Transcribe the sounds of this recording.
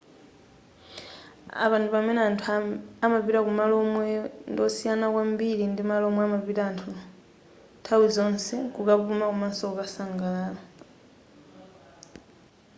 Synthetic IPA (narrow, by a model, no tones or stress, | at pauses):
a̰βantʰupamɛnatʰamapiɾakumalɔmwɛndɔsijanakwambiɾindimalɔmwɛamaβiɾaːntʰu | tʰawid͡zɔnsɛkukapumakumansɔkasaŋɡalaːla